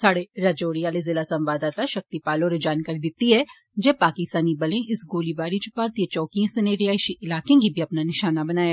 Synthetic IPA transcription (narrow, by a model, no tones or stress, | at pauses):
saːɽeɾɐd͡ʒoːɽijaːlezɪlasɐ̃mʋaːd̪aːt̪aʃɐk̚t̪ipaːlõɾed͡ʒaːnkaːɾid̪ɪt̪iɦɛ | d͡ʒɛːpaːkɪst̪aːnibɐlẽʔɪsɡoːlibaːɾit͡ʃʊ̥paɾt̪ijet͡ʃɔːkijẽsɐneːɖijaːʃiʔɪlaːkẽkibʱiɐpnanɪʃaːnabɐnaːja